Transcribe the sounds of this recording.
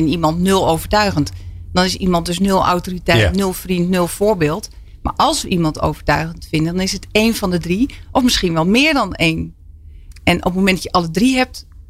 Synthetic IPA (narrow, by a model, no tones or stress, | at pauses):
ɛnimɑntnølˠowvəɹtœɥɣəntd̥ɔnɪsimɑnt̚døs̬nølˠʔa̰wtoritɛjtnølˠfrintnølˠfoːɹbɪːlˠt | ma̰ɹʔɑlˠsʋəʔimɑnto̰ːwvəɹtœɥɣəntfɪndənɔnɪsəteːnfɔndədriʔɔfmɪsxinʋɛlˠmɪːɹdɔneːn | ɛnʔɔ̰pmowmɛndjəʔɑlˠədriɦɛp̚t